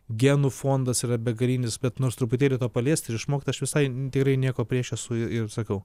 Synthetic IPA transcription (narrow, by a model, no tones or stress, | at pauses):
ɡʲænuːfoːnd̪ɐsiːɾɐbʲɛɡɐɾʲiːnʲɪsbʲɛt̪noːɾst̪ɾʊpʊt̪ʲeːlʲɪt̪oːpɐlʲiɛsʲt̪ʲɪɾɪʃmoːkʲit̪ːɐʃʋʲɪsɐɪt̪ʲɪkɾɐɪnʲiɛkoːpʲɾʲiɛʃʲɛsʊɪɪrsɐkɐʊ